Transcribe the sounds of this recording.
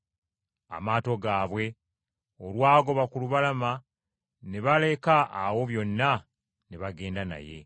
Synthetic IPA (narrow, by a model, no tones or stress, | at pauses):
a̰maːto̞ɡaːβwe̞ | olwaːɡo̞βakuluβalama | neβale̞ka̰ːwo̞βjo̞nːa | neβaɡe̞ːndana̰je̞̰